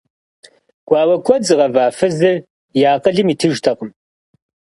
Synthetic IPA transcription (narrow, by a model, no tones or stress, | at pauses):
ɡ̥ʷɑːwɐkʷʰɔd͡zɨʁɐvaːfɨzɨr | jaːqəɮɨmiːtʰɨʒtʰɐqəm